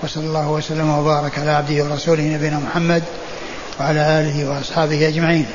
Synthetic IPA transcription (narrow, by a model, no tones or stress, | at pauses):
wɑsˤɑlːɑlːɑːhʊwasalːamwabɑːɾˤɑkʕalaːʕab̚d̪ɪhɪwɑɾˤɑsuːlɪhnabijːnamʊħamːad̪ | waʕalaːʔaːlɪhɪwɑʔɑsˤħɑːbɪhʔad͡ʒmaʕiːn